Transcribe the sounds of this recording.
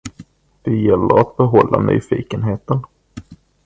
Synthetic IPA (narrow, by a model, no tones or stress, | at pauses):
d̪̥ɛjɛlːəɾat̪̚bɛɦɔlːany̰ːfiːkənɦeːt̪ən